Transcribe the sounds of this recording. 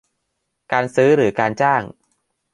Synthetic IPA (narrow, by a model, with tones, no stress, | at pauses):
kaː˧nsɯː˦˥ɾɯː˩˦kaː˧nt͡ɕaː˥˩ŋ